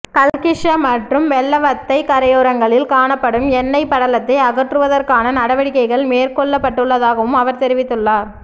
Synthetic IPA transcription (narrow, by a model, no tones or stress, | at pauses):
kɐlkɪʂɐmɐʈrɯmʋɛlːɐʋɐt̪ːɐɪkɐɾɐjoːɾɐŋɡɐɭɪlkaːɳɐpːɐɽɯmɛnːɐɪpːɐɽɐlɐt̪ːɐɪɐɣɐʈrɯʋɐðɐrkaːnɐnɐɽɐʋɐɽɪkːɐɪɣɐɭmeːɾkɔɭːɐpːɐʈːɯɭːɐðaːɣɐʋɯmɐʋɐɾt̪ɛɾɪʋɪt̪ːɯɭːaːɾ